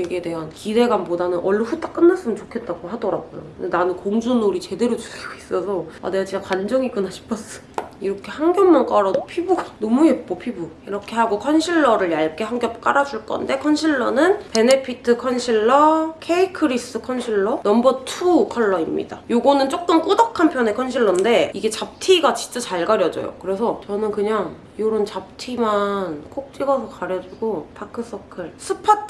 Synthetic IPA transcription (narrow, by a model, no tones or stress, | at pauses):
eɡiede̞ɦankide̞ɡwanbodanɯnʔʌɭːeɸut͈ḁk͈ɯnːaɭs͈ɯmɯnt͡ɕokʰe̞t̚t͈aɡohadʌɾaɡojo̰ɯndenanɯnkoŋd͡ʑunoɾit͡ɕe̞de̞ɾot͡ɕuiɡois͈ʌsʰʌa̰neat͡ɕeakwand͡ʑʌŋiɡonaɕʰi̥pʰʌs͈ʌ̥jiɾʌkʰe̞haŋɡjʌmmank͈aɾʌdopʰibuɡanʌmuep̚k͈opʰibuiɾʌkʰe̞ɦaɡokʰʌnɕʰiɭːʌɾɯɭjaɭk͈eɦaŋɡjʌp̚k͈aɾad͡ʑuɭk͈ʌ̰nde̞kʰʌnɕʰiɭːʌnɯnpe̞ne̞pʰitʰɯkʰʌnɕʰiɭːʌkʰeikʰɯɾis͈ɯkʰʌnɕʰiɭːʌnʌmbʌtʰukʰʌɭːʌimɲḭda̰joɡʌnɯnt͡ɕ͈ok͈̚ɯmk͈odakʰanpʰjʌne̞kʰʌnɕʰiɭːʌnde̞iɡe̞t͡ɕap̚tʰiɡat͡ɕi̥t͡ɕ͈ʌt͡ɕaɭɡaɾjʌd͡ʑʌ̰jo̰kɯɾe̞sʰʌt͡ɕʌnɯnkɯɲaŋ | joɾont͡ɕap̚tʰimankʰok̚t͡ɕ͈iɡʌsʰokaɾjʌd͡ʑiɡopʰakʰɯs͈ʰʌkʰɯɭsʰɯpʰatʰ